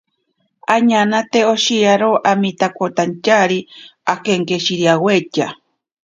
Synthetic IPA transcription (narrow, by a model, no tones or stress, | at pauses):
aɲanat̪eoʃijaɾoʔamit̪akot̪ant͡ʃaɾiakeŋkeʃiɾiaweca